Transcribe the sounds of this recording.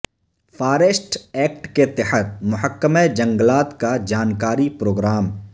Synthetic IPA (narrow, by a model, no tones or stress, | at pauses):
fʰaːɾesʈɛːk̚ʈket̪ːɪhət̪̚mʊɦəkːəmed͡ʒɐ̃ŋɡlaːt̪kad͡ʒaːnkaːɾipɾoːɡɾaːm